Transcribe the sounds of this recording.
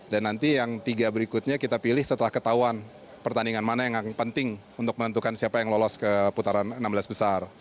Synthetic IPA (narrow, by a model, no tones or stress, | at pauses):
danːant̪ijaŋt̪iɡabəɾikʊt̪̚ɲakit̪apilɪhsət̪əlahkət̪auan | pərt̪aniŋanmanajaŋapənt̪ɪŋ | unt̪ʊk̚mənənt̪̬ukansiapajaŋlolɔskəput̪aɾanənːamblasbəsar